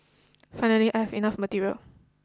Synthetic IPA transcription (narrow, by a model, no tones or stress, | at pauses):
fãɪ̃nəliʔaɪjhɛvinafmətiɹiə̰l